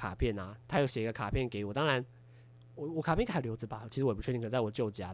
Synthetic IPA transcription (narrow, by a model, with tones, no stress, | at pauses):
kʰa̰˨˩pʰjɛ˥˩na˨t̪ʰa˥jʊɕjɛ˨˩˧ɡə˧kʰa˨˩pʰjɛ˥˩nke˧˦ɪwɔ˨˩t̪ɑ˥ŋɻa˧˥n | wɔ˨˩wɔ˨˩kʰa˨˩pʰjkʰljd͡zɹ̩˧ba˨t͡ɕʰi˧˥ʂ̩˧wp̪ːʰwɔ˨˩t͡ɕjo˥˩ʊ˩t͡ɕja˧˥